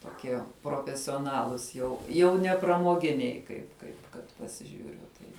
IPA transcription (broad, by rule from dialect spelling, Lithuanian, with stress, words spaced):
toːˈkʲiɛ proːfʲɛsʲoːˈnɑːlˠʊs jɛʊ ˈjɛʊ nʲɛ prɐmoːˈɡʲɪnʲɛɪ kɐɪp ˈkɐɪp kɐt pɐsʲɪˈʒʲuːrʲʊ ˈtɐɪ